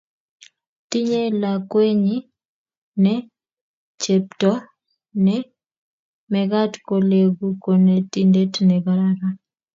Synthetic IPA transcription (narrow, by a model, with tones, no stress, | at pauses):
ti˦ɲe˦lakwe˦ɲi˦ | nɛ | t͡ʃep̚tɔ˦ | nɛ | mɛɡa˦tko˨le˨ɡu˦ko˨nɛ˨ti˦nde˦tnɛɡa˦ɾaɾa˦